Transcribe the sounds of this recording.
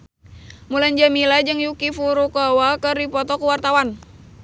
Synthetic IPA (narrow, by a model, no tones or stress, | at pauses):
muland͡ʒamilad͡ʒɨŋjukifuɾukɔwakərdipɔt̪ɔkuwart̪awan